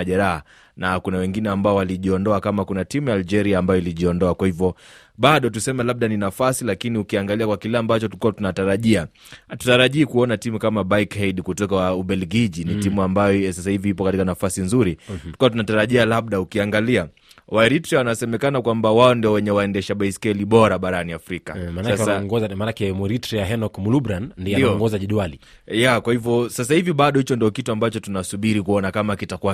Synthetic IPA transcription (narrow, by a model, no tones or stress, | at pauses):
aʄɛɾaha | nakunawɛŋɡinɛambaɔwaliʄiɔndɔakamakunatimujaːld͡ʒɛɾiaːmbajɔiliʄiɔndɔakwahivɔ | ɓaɗɔt̬usɛmɛlaɓ̚ɗaninafasilakiniukiaŋɡaliakwakilɛambat͡ʃɔtukuwatunataɾaʄia | tu̥taɾaʄiːkuɔnatimukamaɓaikhɛjɗkutɔkauɓɛlɡiʄinitimuambajɔsasahiviipɔkatikanafasinzuɾitu̥kawat̬unataɾaʄialaɓɗaukiaŋɡalia | waɾitɾɛwanasɛmɛkanakwambawaɔndiɔwɛɲɛwaɛndɛʃaɓaiskɛliɓɔɾaɓaɾaniafɾika̰manaaɛsaaaɔŋɡɔzamanakɛmuɾitɾɛjaɦɛnɔkmulubɾannːdiɛdiaɔŋɡɔzaʄɛɗwali | jakwahivɔsasahiviɓaɗɔhit͡ʃɔndiɔkituambat͡ʃɔtunasuɓiɾikuɔnakamakitakuwa